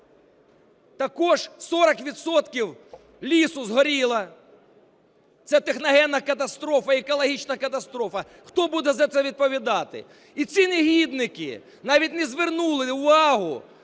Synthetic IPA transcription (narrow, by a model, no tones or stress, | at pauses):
t̪ɐkɔʒsɔɾɐkʋʲid̪sɔt̪kʲiw | lʲisʊzɦɔɾʲilˠɐ | t̪sʲɛt̪exnɐɦɛnːɐkɐt̪ɐst̪ɾɔfɐekɔlˠɐɦʲit͡ʃnɐkɐt̪ɐst̪ɾɔfɐ | xt̪ɔbud̪ɛzɐt̪sɛʋʲid̪̚pɔʋʲid̪ɑt̪ɪ̰ | it͡sʲineɦʲid̪nɪkɪ̰ | nɑʋʲitʲnɛzʋernulˠɪʊʋɑɦʊ